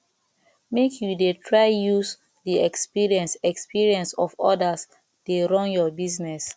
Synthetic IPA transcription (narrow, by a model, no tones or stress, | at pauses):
mekʰjudetʰɹaɪjus | diɛkspiɹiɛ̃nsɛkspiɹiɛ̃nsɔfɔ̰das | d̥eɹɔ̃njɔbiznɛs